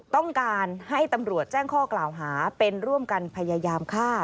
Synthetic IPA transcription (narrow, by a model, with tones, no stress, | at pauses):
t̪ɔ˥˩ŋkaː˧nha˥˩jt̪a˧mɾu˨˩ət̪̚t͡ɕɛː˥˩ŋkʰɔː˥˩klaː˨˩wɦaː˩˦pe˧nɾu˥˩əmka˧npʰa˧ja˧jaː˧mkʰaː˥˩t̪̚